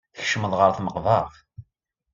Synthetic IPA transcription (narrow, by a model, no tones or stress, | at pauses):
θəçʃməðˤʁəɾθməqvɑʁ